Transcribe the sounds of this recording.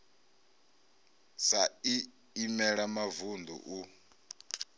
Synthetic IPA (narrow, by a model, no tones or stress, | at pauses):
sai | imɛɺamavund̪ṵʔu